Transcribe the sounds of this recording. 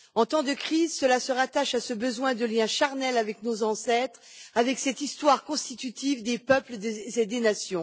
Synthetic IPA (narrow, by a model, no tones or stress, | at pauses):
ɑ̃t̪ɑ̃d̪əkχizsəlasəʁat̪aʃasəbəzwɛ̃d̪əljɛ̃ʃaʁnɛlavɛknozɑ̃sɛt̪χavɛksɛt̪ist̪waʁkɔ̃st̪it̪yt̪ivd̪epœpləd̪eed̪enasjɔ̃